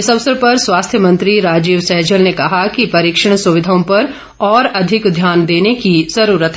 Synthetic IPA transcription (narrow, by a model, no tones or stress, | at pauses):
ɪsɐbsɾəpɐɾswaːst̪ʰjəmɐ̃nt̪ɾiɾaːd͡ʒiːʋsɛɦd͡ʒəlnekɐɦakipɐɾiːkʃəɽ̃sʊʋɪd̪ʱaõpɐɾ | ɔːɾɐd̪ʱɪkd̪ʱjaːnd̪eːnekizɐɾuːɾət̪ʰɦ